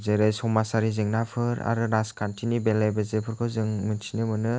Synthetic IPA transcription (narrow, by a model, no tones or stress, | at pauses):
zeɾajsɔmasaɾizɯŋnapʰɯɾa̰ɾɯɾaskantʰinibelajbazepʰɯɾkʰɯwzɯŋmɯntʰinɯmɯnɯ